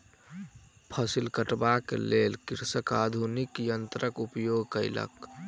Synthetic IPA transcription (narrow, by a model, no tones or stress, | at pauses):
pʰəsilkəʈbakḛlelkiɾsəkad̪ʱunikjənt̪ɾəkupjoɡkəɪlə̰k